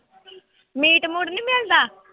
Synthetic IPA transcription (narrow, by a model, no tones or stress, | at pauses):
miːʈmʊɽnĩːmeld̪aː